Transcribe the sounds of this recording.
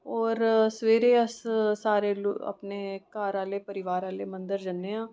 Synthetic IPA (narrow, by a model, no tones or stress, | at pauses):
ɔːɾsʋeːɾeːəssaːɾeːlə̰pneːkaːɾaːleːpəɾɪʋaːɾaːleːmə̃nd̪əɾd͡ʒənːeːãː